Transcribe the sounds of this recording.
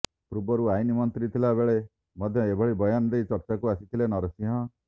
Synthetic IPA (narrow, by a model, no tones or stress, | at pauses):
pɾubɔɾuajnimɔnt̪ɾit̪ʰilabeɭe | mɔd̪ʱjɔebʱɔɭibɔjand̪ejt͡ʃɔɾt͡ʃakuasit̪ʰilenɔɾɔsiɦɔ̃